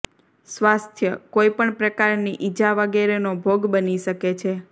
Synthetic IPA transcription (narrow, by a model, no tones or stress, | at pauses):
sʋast̪ʰjəkoipəɳpɾəkaɾniʔid͡ʒaʋəɡeɾenobʱoɡbəniʃəket͡ʃʰe